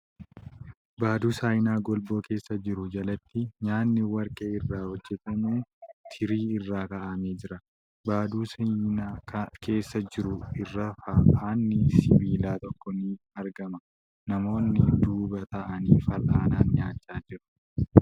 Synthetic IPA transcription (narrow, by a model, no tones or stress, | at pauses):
baːd̪uːsaːjnaːɡɔlbo̞ːke̞ːsːɐd͡ʒɪɾʊd͡ʒɐlɐt̪ːɪɲaːnːɪwɐɾkʼeːɪrːaːhɔd͡ʒːɛt̪ɐmoːt̪ʰɪɾiːɪrːaːkɐʔɐmeːd͡ʒɪɾɐ | baːd̪uːsnaːkʰe̞ːsːɐd͡ʒɪɾʊɪrːɐfɐaːnːɪsɪbiːlaːt̪ɔkːɔnɪ | ɐɾɡɐmɐ | nɐmo̞ːnːɪd̪uːbɐt̪ɐʔɐniːfɐlʔaːnaːnɲaːt͡ʃːaːd͡ʒɪɾʊ̥